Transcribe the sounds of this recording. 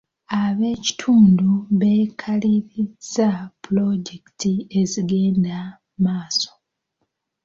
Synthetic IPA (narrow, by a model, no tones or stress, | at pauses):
aβe̞ːci̥tʰuːnduβe̞ːkʰaliɾizapulo̞ɟe̞kitie̞ziɡe̞ːnda | maːso̥